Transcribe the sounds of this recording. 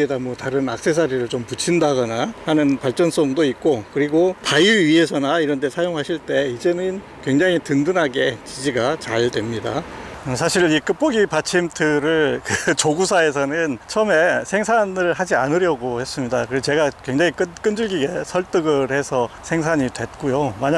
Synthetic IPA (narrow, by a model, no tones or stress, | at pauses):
edamwʌtaɾɯnak̚s͈ʰe̞s̬ʰaɾiɾɯɭt͡ɕomput͡ɕʰindaɡʌnahanɯnpaɭt͡ɕ͈ʌns͈ʌmdoik̚k͈okɯɾiɡopajuɥie̞sʰʌnaiɾʌntʰesʰajoŋɦaɕʰiɭt͈e̞id͡ʑe̞nɯn | kwe̞ŋd͡ʑaŋitɯndɯnɦaɡe̞t͡ɕid͡ʑiɡat͡ɕaɭdwe̞mɲidasʰaɕʰiɾik͈ɯp͈ʌɡipat͡ɕʰimtʰɯɾɯɭkɯt͡ɕoɡusʰae̞s̬ʰʌnɯnt͡ɕʰʌme̞sʰe̞ŋsʰanɯɭɦad͡ʑianɯɾjʌɡohe̞s͈ɯmɲidakɯt͡ɕe̞ɡakwe̞ŋd͡ʑaŋik͈ɯk͈ɯnd͡ʑɯɭɡiɡe̞sʰʌɭt͈ɯɡɯɾhe̞sʰʌsʰe̞ŋs̬ʰaɲidwe̞t̚k͈ujomaɲa